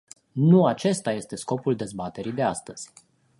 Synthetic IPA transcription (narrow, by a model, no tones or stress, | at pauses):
nuat͡ʃe̞st̪aje̞st̪e̞sko̞puld̪e̞zbat̪e̞ɾid̪e̞ast̪əz̥ʲ